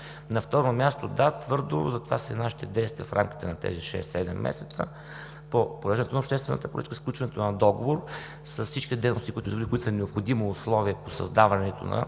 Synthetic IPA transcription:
nɐft̪ɔɾomʲjast̪od̪at̪vɤɾd̪o̰zɐt̪ovasəinaʃi̥t̪ɛd̪ɛjst̪vʲiəfɾʔa̰mk̟i̥t̪ɛnɐt̪ɛ̰ziʃɛ̰sːɛd̪ɛmːɛ̰sɛt̪sə̰ | popoɾɛʒɛnɛt̪onɐopʃt̪ɛst̪vɛnə̰t̪əpoɾə̰t͡ʃkəisklʲut͡ʃvɐnɛt̪onɐd̪ɔɡovoɾ | səssit͡ʃkit̪d̪ɛjnoʊst̪ikʊit̪ʊizɡɾikʊit̪snɛopxod̪imiʊslˠɔviəposɐ̰zd̪avɐnɛt̪o̰nɐ̰

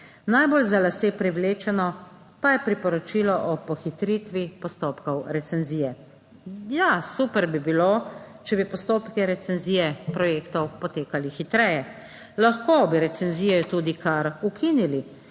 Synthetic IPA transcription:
najbolzalaseːpɾiwleːt͡ʃɛnɔ | pajɛpɾipɔɾɔt͡ʃiːlɔʔɔpɔxit̪ɾit̪ʋipɔst̪oːpkɔwɾɛt̪sɛnziːjɛ | jasuːpɛɾbibilot͡ʃɛbipɔst̪oːpkɛɾɛt̪sɛnziːjɛpɾɔjeːkt̪ɔwpɔt̪eːkalixit̪ɾɛjɛ | laxkobiɾɛt̪sɛnziːjɛt̪uːd̪ikaɾukʰinili

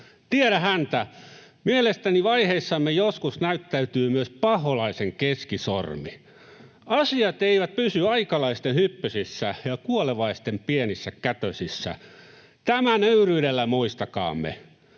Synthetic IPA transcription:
t̪ieɾæhænt̪æmielest̪æniʋɑiheisːɑmːejoskusnæyt̪ːæyt̪yːmyøspɑholɑiseŋkeskiso̰rmi | ɑsiɑt̪eiʋæt̪̚pysyɑikɑlɑist̪enhypːøsisːæjɑkuoleʋɑist̪empienisːækæt̪øsisːæ̰ | t̪æmænøyryːdelːæmuist̪ɑkɑ̰ːmːḛ

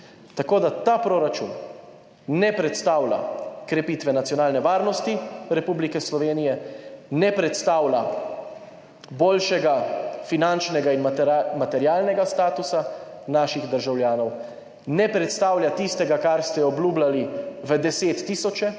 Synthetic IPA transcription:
t̪akoːd̪at̪apɾoɾat͡ʃṵn | nɛpɾɛt̪st̪aːwla̰kɾɛpiːt̪ʋɛnat̪sjɔnaːlnɛʋaːɾnɔst̪iɾɛpublikɛslɔʋeːnijɛnɛpɾɛt̪st̪aːwla | boːlʃɛɡafinant͡ʃnɛɡainmat̪ɛɾjaːlnɛɡast̪aːt̪usa | naːʃiɣd̪əɾʒawlʲjaːnɔw | nɛpɾɛt̪st̪aːwljat̪ist̪ɛɡakaɾst̪ɛɔbluːblaliʋəd̪ɛseːt̪ːisɔt͡ʃɛ

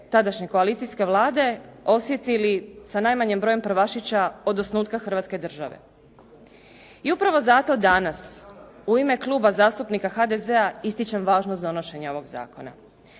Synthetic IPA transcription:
t̪ad̪aʃɲe̞ko̞aliːt̪siske̞ʋlˠaːd̪e̞o̞sjet̪ilisanajmaɲembɾoːjempɾ̩ʋaʃit͡ɕao̞d̪osnuːt̪kaxr̩ʋat̪ske̞d̪r̩ʒaʋḛ | iupɾaʋo̞zat̪o̞d̪anasuime̞klˠuːbazaːst̪upnikaxad̪eze̞aist̪it͡ɕemʋaːʒnosd̪o̞no̞ʃe̞ɲao̞ʋo̞ɡza̰ːkona̰

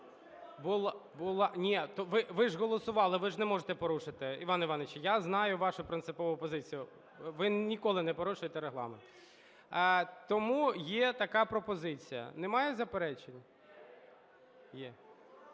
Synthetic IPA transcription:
bʊlˠbʊlˠɑnʲit̪ɔʋɪʋɪʒɦɔlˠɔsʊʋɑlˠɪʋɪʒnɛmɔʒet̪ɛpɔɾuʂɪt̪ɪiʋɑniʋɑnet͡ʃjaznɑjʊʋɑʃʊpɾɪnt̪sɪpɔʋʊɔpɔzɪt͡sʲijʊ | ʋɪnʲikɔlˠɪnɛpɔɾuʃʊjet̪ɛɾeɦlˠɑ̰ment̪ː | t̪ɔmujɛt̪ɐkɑpɾɔpɔzɪt͡sʲijɐ̰nɛmɑjɛzɐpeɾɛt͡ʃenʲ | jɛ

